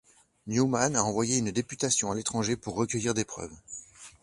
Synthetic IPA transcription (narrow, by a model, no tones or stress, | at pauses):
njumanaɑ̃vwajeynd̪epyt̪asjɔ̃alet̪χɑ̃ʒepuʁːəkʲœjiʁd̪epχœ̰ːv